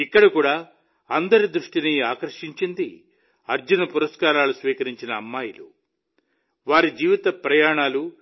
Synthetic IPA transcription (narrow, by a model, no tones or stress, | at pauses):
ikːɐɽɐkuːɽaː | ɐnd̪ɐɾid̪ɾuʂʈiniaːkɐɾʂiɲt͡ʃind̪i | ɐɾd͡ʒunɐpuɾɐskaːɾaːlusʋiːkɐɾiɲt͡ʃinɐːmːaːjulṵ | ʋaːɾid͡ʒiːʋit̪ɐpɾɐjaːɳaːlu